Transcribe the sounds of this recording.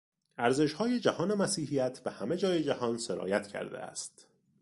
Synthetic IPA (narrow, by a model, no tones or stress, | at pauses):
æɾze̞ʃhɒːje̞d͡ʒæhɒːnemæsiːhijæt̪ʰbehæme̞d͡ʒɒːjed͡ʒæhɒːnseɾɒ̰ːjæt̪ʰcʰæ̰ɾd̪ḛæ̰st̪